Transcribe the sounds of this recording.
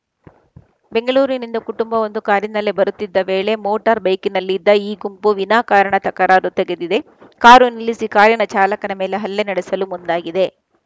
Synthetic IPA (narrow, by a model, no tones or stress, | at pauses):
be̞ŋɡɐɭuːɾinind̪ɐkuʈumbɐond̪ukaːɾjinɐlːebɐɾut̪ːid̪ːɐʋeːɭe̞moːʈɐɾbɐjkinɐlːid̪ːɐiːɡumpuʋinaːkaːɾɐɳɐt̪ɐkɐɾaːɾut̪ɛɡed̪id̪e̞ | kaːɾunilisikaːɾjɐɳɐt͡ʃaːlɐkɐnɐmeːleɦɐlːenɐɽesɐlumund̪aːɡid̪e̞